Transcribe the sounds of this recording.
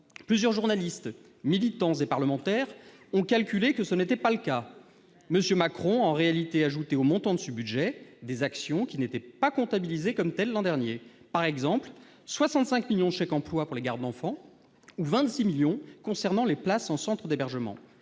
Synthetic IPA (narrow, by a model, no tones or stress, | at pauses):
plyzjœʁʒuʁnalist̪ | milit̪ɑ̃zepaʁləmɑ̃t̪ɛʁɔ̃kalkʲylekəsənet̪ɛpaləka | məsjømakχɔ̃ɑ̃ʁealit̪eaʒut̪eomɔ̃t̪ɑ̃d̪əsəbyd̪ʒɛd̪ezaksjɔ̃kʲinet̪ɛpakɔ̃t̪abilizekɔmt̪ɛlːɑ̃d̪ɛʁnje | paʁɛɡzɑ̃pl | swasɑ̃t̪sɛ̃kmiljɔ̃d̪əʃɛkɑ̃plwapuʁleɡaʁd̪d̪ɑ̃fɑ̃ | uvɛ̃t̪similjɔ̃kɔ̃sɛʁnɑ̃leplasɑ̃sɑ̃t̪χəd̪ebɛʁʒəmɑ̰̃